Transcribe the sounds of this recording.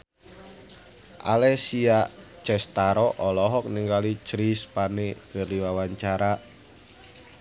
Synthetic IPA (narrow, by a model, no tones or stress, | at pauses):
ʔa̰lɛsiat͡ʃɛst̪aɾɔʔɔlɔɦɔk̚niŋɡalit͡ʃɾispaneɡ̥ə̤rliwawaɲt͡ʃaɾa